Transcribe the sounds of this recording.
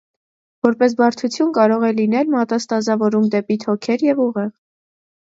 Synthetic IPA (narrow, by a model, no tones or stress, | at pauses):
vɔɾpɛs̬bɑɾt̪ʰut͡sʰjunkɑɾɔʁɛlin̪ɛlmɑt̪ɑst̪ɑzɑvɔɾumd̪ɛpit̪ʰɔkʰɛɾjɛvuʁɛʁ